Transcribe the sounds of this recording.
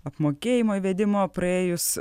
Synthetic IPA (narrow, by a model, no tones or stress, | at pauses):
ɐpmoːkʲeːjɪmoːiʋʲɛd̪ʲɪmoːpɾɐeːjʊs